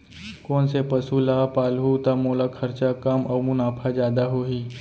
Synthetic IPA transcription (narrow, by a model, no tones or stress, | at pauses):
kɔːnsepəsulaːpaːlɦut̪amoːlakʰɐɾt͡ʃakamɐmʊnaːpʰad͡ʒjaːd̪aɦoːɦiː